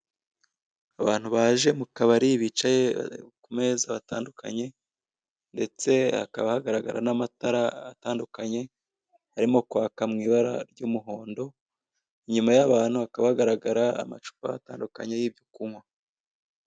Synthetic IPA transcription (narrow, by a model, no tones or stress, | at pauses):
aβaːn̥huβaʒe̞mukaβaɾiβit͡ʃajḛkume̞zaβataːndukʰa̰ɲe̞ | nde̞t͡se̞a̰kaβahaɡaɾaɡa̰ɾa̰namataɾaataːndukaɲe̞ | haɾimo̞kwaːkamŋiːβaɾa̰ɾɟuːmuɦo̞ːndo̞ | iɲumajaβaːn̥huakaβahaɡaɾaɡaɾaa̰ma̰t͡ʃu̥pa̰ataːndukaɲejiːbɟukumwa